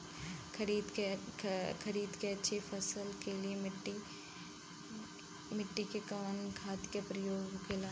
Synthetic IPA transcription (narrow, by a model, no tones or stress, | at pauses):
kʰɐɾiːd̪ | kʰɐɾiːd̪keɐtːʃʰepʰɐsəlkeliemɪʈːi | mɪʈːikekɐʋənkʰaːt̪kepɾɐjoːɡkela